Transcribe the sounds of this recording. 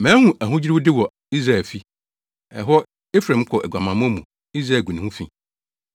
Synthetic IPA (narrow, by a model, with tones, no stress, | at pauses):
mæ̃ː˨˦hũ˦æ˨ɦũ˦d͡ʑi˦ɾi˦wu˦dɪ˦wɔ˨ | i˦sɾa˨ɛ˨fi˦ | ɛ̰˨ɦɔ˦ | e˦fɾã˨˦m̩˦kʷʰɔ˨ʔɛ˨ɡʷã˨mã˨m̃˦mũ˨ | i˦sɾa˨ɡu˨nĩ˨hũ˦fḭ̃˦˨